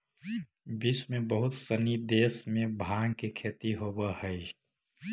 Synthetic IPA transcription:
bismẽbəɦʊt̪sənid̪eːsmẽbʱaːɡkekʰeːt̪iɦobəhəi

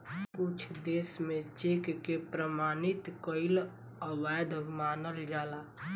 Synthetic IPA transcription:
kʊt͡ʃʰd̪esmẽt͡ʃekkepɾəmaːnit̪kəɪl | əʋajd̪maːnəld͡ʒaːlaː

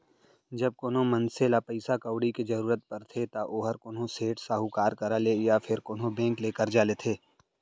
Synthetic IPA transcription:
d͡ʒɐb̚koːnõmɐ̃nselapɐɪsakəːʊɽiked͡ʒɐɾuːɾət̪̚pɐɾt̪ʰet̪aʔoːɦəɾkoːnõseːʈsaːɦukaːɾkɐɾalejafʰɪɾkoːnɦõbɛ̃ːŋkleːkəɾd͡ʒaːlet̪ʰeː

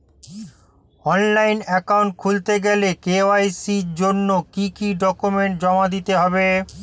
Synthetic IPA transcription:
ɔnlajnɛkawuɳʈ̚kʰult̪eɡɛlekeoajsiɾd͡ʑonːokikiɖɔkumeɳʈ̚d͡ʑɔmad̪it̪eɦɔbe

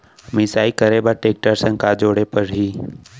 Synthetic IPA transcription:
mɪsaːikəɾebaʈeːk̚ʈəɾsə̃ŋkaːd͡ʒoːɽepəɾɦiː

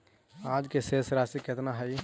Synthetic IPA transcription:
aːd͡ʒkeseːsɾaːsiket̪naɦəi

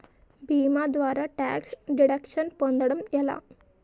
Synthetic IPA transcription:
bimad̪ʋaɾaʈæksɖiɽəkʂənpond̪əɽumjɛla̰

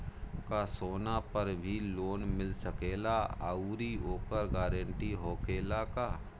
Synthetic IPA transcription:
kasoːnapəɾbʱiloːnmɪlsəkeːlaauɾioːkəɾɡɛːɾə̃ɳʈiɦoːkeːlakaː

